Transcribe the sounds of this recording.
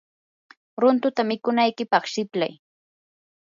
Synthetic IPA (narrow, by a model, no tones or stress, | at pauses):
ɾʊnt̪ʊt̪amɪkʊnajkɪpɑχʃɪpla̰j